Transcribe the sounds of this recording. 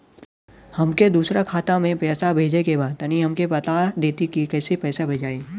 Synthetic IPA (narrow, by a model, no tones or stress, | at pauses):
hɐmked̪uːsɾakʰaːt̪amẽpɛːsabʱeːd͡ʒekebaːd̪ɐniɦɐmkepɐt̪ad̪eːt̪ikikɛːsepɛːsabʱeːd͡ʒaːe